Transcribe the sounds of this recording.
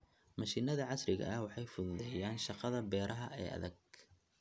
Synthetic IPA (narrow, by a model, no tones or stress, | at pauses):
mɐʃiːnɐðɐʕɑsɾɪɣɐ̰ɐhwɑħɑjfʊðʊðɛːjaːnʃɑqɑðɐbɛːɾʔɐɦɐɛ̰ːʔɐ̰ðɐɡ̚